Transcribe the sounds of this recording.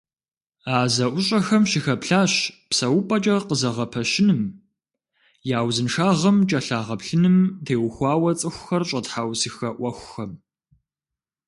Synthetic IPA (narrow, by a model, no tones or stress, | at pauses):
aːzɐʔʷʊɕʼɐxɐmʃixɐpɬaːɕpsɐwʊpʼɐt͡ʃʼɐqəzɐʁɐpʰɐɕɪnɨm | jaːwzɨnʂaːʁɐmt͡ʃʼɐɬaːʁɐpɬɨnɨmdʰeːwxʷɑːwɐt͡sʼɨxʷʊxɐrɕʼɐtħawsixɐʔʷɐxʷxɐm